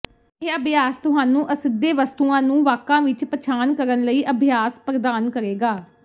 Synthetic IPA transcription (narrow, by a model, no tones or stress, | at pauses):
eːəbʱjaːst̪ʊɦaːnũːʔəsɪd̪ːeːʋəst̪uːãːnũːʋaːkãːʋɪt͡ʃpət͡ʃʰaːnkəɾənləiːʔəbʱɪjaːspɾəd̪aːnkəɾeːɡaː